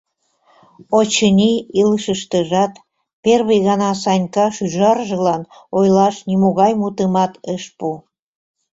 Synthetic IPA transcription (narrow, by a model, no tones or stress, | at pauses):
ot͡ɕənʲiiləʃəʃt̪əʒɑt̪ | perβəjɣɑnɑsɑnʲkɑʃyʒɑrʒə̆lɑn | ojlɑʃnʲimoɣɑjmut̪əmɑt̪əʃpu